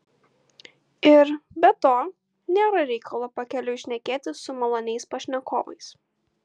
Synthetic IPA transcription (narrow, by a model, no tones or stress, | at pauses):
ɪɾbʲɛt̪oː | nʲeːɾɐɾʲɛɪkʰɐlˠoːpɐkʲɛlʲʊɪʃʲnʲɛkʲeːt̪ʲɪsʊmɐlˠoːnʲɛɪspɐʃʲnʲɛkʰo̰ːʋɐ̰ɪs